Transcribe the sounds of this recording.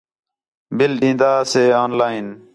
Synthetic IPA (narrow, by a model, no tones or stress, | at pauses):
bɪlɗĩːnd̪aːseːoːnlaːin